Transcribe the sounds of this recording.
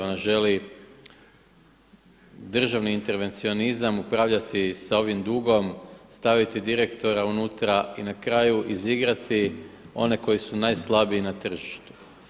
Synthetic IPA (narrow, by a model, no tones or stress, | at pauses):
o̞naʒe̞li | d̪r̩ʒaʋniːnt̪e̞ɾʋe̞nt̪sio̞nizamupɾaːʋʎat̪isao̞ʋimd̪uɡo̞mst̪aʋit̪id̪iɾe̞kt̪o̞ɾaunut̪ɾainakɾaːjuʔiziɡɾat̪ʰi | o̞ne̞ko̞jisunajslˠabiinat̪r̩ʒiʃt̪u̥